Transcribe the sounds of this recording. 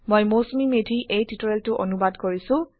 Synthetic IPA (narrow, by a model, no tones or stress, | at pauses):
mojmosmimedʱiʔejtitɔɹeltʊʔo̰nubadkoɹisʊ̃